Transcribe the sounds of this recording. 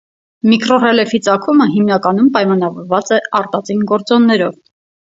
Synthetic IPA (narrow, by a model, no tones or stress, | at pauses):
mikʰrɔrɛlɛfit͡sɑkʰuməɦimnɑkɑnumpɑjmɑnɑvɔɾvɑt͡sɛʔɑɾt̪ɑt͡sinɡɔɾt͡sɔnːɛɾɔv